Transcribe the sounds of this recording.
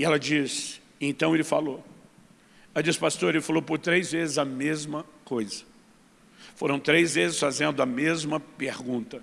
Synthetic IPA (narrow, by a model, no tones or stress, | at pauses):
ɪɛlɐd͡ʒis | ẽnt̪ɐ̃w̃elɪfalo | ɐd͡ʒisɪ̥past̪oɾelɪfalowpʊɾt̪ɾejzvezɪzɐmezmɐkojzɐ | foɾɐ̃w̃t̪ɾejzvezɪsfazẽnd̪ʊɐmezmɐpeɾɡũnt̪ɐ